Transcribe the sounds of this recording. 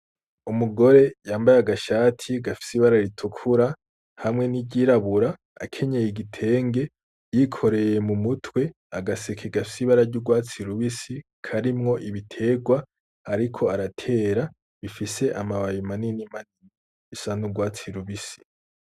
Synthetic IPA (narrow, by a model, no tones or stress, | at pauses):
umuɡo̞ɾe̞jaːmbajaɡaʃaːtʰiɡafi̥siβaɾaiɾitʰukʰuɾa | hamŋe̞niɟiɾaβuɾa̰ː | kʰe̞ɲejiɡitʰe̞ːŋɡe̞ | jikʰo̞ɾe̞je̞mumutʰwe̞ | aɡasekʰeɡafi̥siβaɾaɾɟuɡwaːt͡siɾuβisi | kʰaɾimŋo̞ʔiβitʰe̞ːɡwa | aɾikʰo̞aɾatʰe̞ːɾa | βifise̞ʔamaβajimaninimaniniː | sanuɡwaːt͡siɾuβisi̥